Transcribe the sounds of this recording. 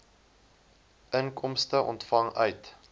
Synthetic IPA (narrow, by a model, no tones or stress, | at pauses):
əŋkɔmstəʔɔ̰ntfɐŋœɥt